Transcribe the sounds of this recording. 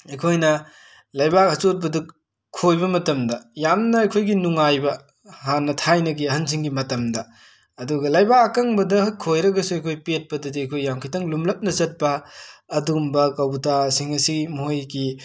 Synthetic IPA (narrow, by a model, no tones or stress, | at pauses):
ekʰojnɐ | lɐjbakɐt͡ʃot̚bɐduk | kʰːojbɐmɐtɐmdɐjamnɐːjkʰojɡinuŋajbɐ | hanːɐtʰajnɐɡiɐɦɐns̬ʰiŋɡimɐtɐmdɐ | ɐduɡɐlɐjbakɐkaŋbɐdɐɦɐkʰojɾɐɡɐsuɐjkʰojpet̚pɐdɐdiɐjkʰojːamkʰitɐŋlumlɐp̚nɐzɐt̚pɐː | dumbɐkɐwbutasiŋɐsimojɡi